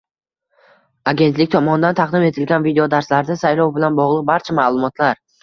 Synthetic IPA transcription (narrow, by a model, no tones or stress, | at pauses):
aɡʲe̞nt̪lɪkʲt̪ʰɒmɒnɪd̪ant̪ʰɑqd̪ɪme̞t̪ʰɪlɡʲanvid̪eod̪aɾslaɾd̪asajlˠɒwbɪlanbɒʁlˠɨq̚baɾt͡ʃʰamaːlˠʊmɒt̪ʰlaɾ